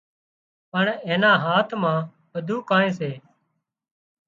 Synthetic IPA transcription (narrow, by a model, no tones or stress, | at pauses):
pəɳeːnãːɦaːt̪ʰmãː | ʋəd̪ʱuːkãːẽːs̬eː